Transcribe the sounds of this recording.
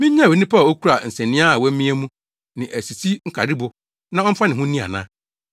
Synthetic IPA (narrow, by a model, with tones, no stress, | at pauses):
mɪ̃˦ɲ̩˦ã˦˨wɛ˨nɪ̃˦pʰa˦˨o˦kʰu˦ɾa˨n̩˨sɛ̃˨nɪ̃˦a˦a˨wɛ˦mĩ˦ɛ˦mũ˦ | nɪ̃˨ʔæ˨si˨sʰi˦ŋ̩˦kʰa˨ɾɪ˦bʊ˨ | nã˦ɔ˦m̩˦fa˦nɪ̃˨ɦʊ̃˦nĩ˦a̰˨nã̰˦